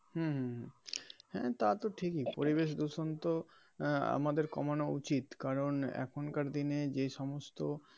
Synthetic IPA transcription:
hũɦũɦhɛ̰̃t̪at̪oʈʰikipoɾibeʃd̪uʃont̪o | a̰mad̪eɾkɔ̰manoṵt͡ɕit̪kaɾonɛ̰kʰonkaɾd̪ined͡ʑejʃɔmost̪o

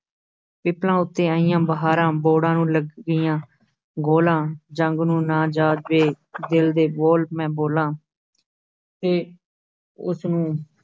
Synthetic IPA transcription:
pɪplãːʊt̪ːẽːəijãːbəɦaːɾãːboːɽãːnũːləɡːijãː | ɡoːlãːd͡ʒəŋɡnũːnaːd͡ʒaːd͡ʒʋeː | d̪ɪld̪eːboːlpmɛ̃ːboːlãː | t̪eː | ʊsnũː

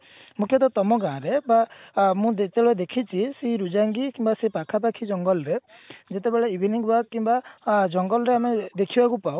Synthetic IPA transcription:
mukʰjɔt̪̬ɔt̪ɔmɔɡãːɾebamũd̪et̪eɭed̪ekʰit͡ʃʰiseiɾud͡ʒaŋɡikimbasepakʰap̬akʰid͡ʒɔŋɡɔlɾe | d͡ʒet̪ebeɭeibʱiniŋbakimbad͡ʒɔŋɡɔlɔɾeamed̪ekʰibakupaw

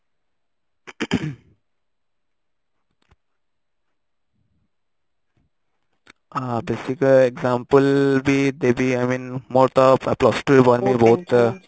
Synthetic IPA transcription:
abeːsikeɡzãːmpəlbid̪ebiaɪmĩːnmoːɾt̪ɔplɔsʈɾibɔɾmiboːt̪

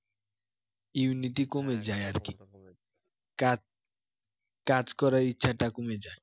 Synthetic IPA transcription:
uniʈikomed͡ʑaeaɾki | a | kad͡ʑkɔɾaɾitːʃʰaʈakomed͡ʑae

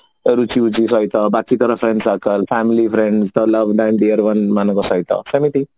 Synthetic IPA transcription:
ɾut͡ʃiut͡ʃisʌjt̪ʌbakit̪ɔɾʌpʰɾeɳɖsakəlpʰamilipʰɾeɳɖst̪olʌbɖanɖiʌɾwʌnmanʌkosʌjt̪ʌ̰semit̪i

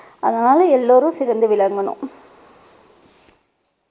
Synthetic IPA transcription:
ɐðɐnaːlɐɛlːoːɾɯ̃sɪɾɐnd̪ɯʋɪɭɐŋɡɐɳɯ̰̃

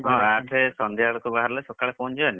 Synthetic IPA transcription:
ɦɔ̃aʈʰesɔnd̪iaɽɔkubaɦaɾlajsɔkaɭepʰond͡ʒɔani

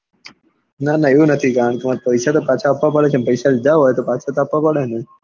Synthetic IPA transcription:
nanaeũnət̪ʰikaɾəɳ̃kimãpəjsat̪opaːt͡ʃʰaːpʋãpəɽet͡ʃʰenpəjsalɪd͡ʒaɦoːjt̪opaːt͡ʃʰat̪oapʋapəɽene

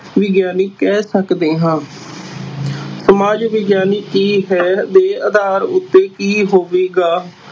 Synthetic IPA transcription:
ʋɪɡjaːnɪkɛːsəkd̪eːɦãː | səmaːd͡ʒʋɪɡjaːnikiːɦɛːd̪eːəd̪aːɾʊt̪ːeːkiːɦoːʋeːɡaː

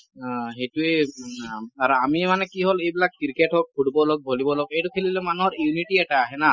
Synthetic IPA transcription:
ɦejtue | aɹuamimanɛkiɦolejbilakːiɹketɦɔk̚kʰuɽibɔlok̚bʱolibɔlokejtukʰelilɛmanuɦɔɹjuniʈiɛʈaːɦɛna

